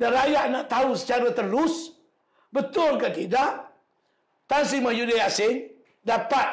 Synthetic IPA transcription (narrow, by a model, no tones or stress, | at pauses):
daɾajaʔnaʔt̪ausə̥t͡ʃaɾat̪əlʊs | bət̪ʊlkat̪idaʔ | t̪ans̬imajudaasɪn | dapat̪̚